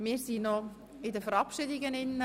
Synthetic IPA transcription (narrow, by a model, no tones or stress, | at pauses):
mɪːɾsinɔ | ɪdəfəɾɑpʃɪdɪɡənɪnːə